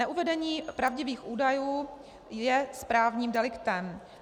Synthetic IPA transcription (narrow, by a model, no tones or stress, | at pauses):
ɛʔuvɛdɛɲiːpɾavɟɪviːxʔuːdajuː | jɛspɾaːvɲiːmdɛlɪkt̪ɛm